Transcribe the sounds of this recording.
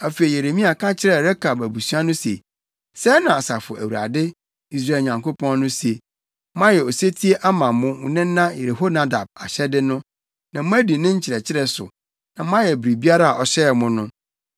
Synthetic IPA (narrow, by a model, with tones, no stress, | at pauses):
æ˨fe˨i˨je˨ɾe˨mĩ˦a˨kʰã˦t͡ɕʰɪ˦ɾɛ˦˨ɾɛ˦kʰa˨bæ˨bu˨su˦a˦nʊ̃˦sḛ˨ | sɛ˦nã˨a˨sa˨fʊ˨ʔæ˨wu˨a̰˨dɪ˦ | i˦s̬ɾa˨ɲã˨ŋkʰo˦pʰɔ̃˦nnʊ̃˦se˨˦ | mã˦jɛ˨ɔ˨se˦tʰi˦e˦ʔa˦mã˨mʊ̃˦nɪ̃˦n˦nã˦je˨ɾe˨ɦo˦na˦da˨b̚a˨ɕɛ˦dɪ˦nʊ̃˦ | nã˨m̩˦æ˦di˨nɪ̃˦ɲ̩˦t͡ɕʰɪ˨ɾɛ˨t͡ɕʰɪ˦ɾɛ˦˨sʊ̰˨ | nã˨mã˦jɛ˨bɾi˨bi˦a˦ɾa˦a˨ʔɔ˨ɕɛ˦˨mʊ̃˦nʊ̃˦